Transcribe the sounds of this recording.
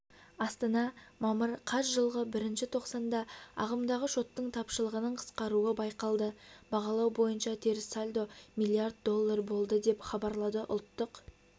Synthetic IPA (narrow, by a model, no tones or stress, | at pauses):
ɑst̪ɑnɑmɑməɾqʰɑsʒəlˠʁəbɪɾɪnʃɪt̪ʰo̞qsɑnd̪ɑɑ̰ʁəmd̪ɑʁəʃo̞t̪ːəɴt̪ʰɑpʃəlˠəʁənəɴqʰə̥sqɑɾuəbɑjqɑlˠd̪əbɑʁɑlˠɑwbo̞jənʃɑt̪ʰe̞ɾɪsalʲd̪o̞mʲijlˠiard̪̚d̪o̞lˠːaɾbo̞lˠd̪əd̪e̞pχɑbɑɾlˠɑd̪əʔʊ̰lˠt̪ːəq